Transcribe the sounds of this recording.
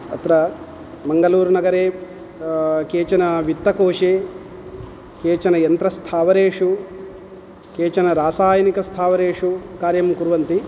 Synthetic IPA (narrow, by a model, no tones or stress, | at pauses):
ɐ̰t̪ɾɐ | mɐŋɡɐluːɾunɐɡɐɾeː | keːt͡ʃɐnɐʋit̪ːɐkoːʂeː | keːt͡ʃɐnɐjɐnt̪ɾɐst̪ʰaːʋɐɾeːʂu | keːt͡ʃɐnɐɾaːsaːjɐnikɐst̪ʰaːʋɐɾeːʂukaːɾjɐmkuɾʋɐnt̪i